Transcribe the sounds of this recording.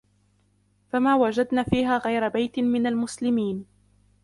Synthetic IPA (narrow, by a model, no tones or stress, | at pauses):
famaːwad͡ʒad̪naːfiːɦaːɣajɾabajt̪ɪmɪnalmʊslɪmiːn